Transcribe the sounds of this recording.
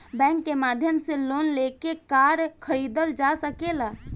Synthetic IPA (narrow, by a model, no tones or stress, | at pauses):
bɛ̃ːŋkːemaːd̪ʱjəmseloːnlekekaːɾkʰəɾiːd̪əld͡ʒasəkelaː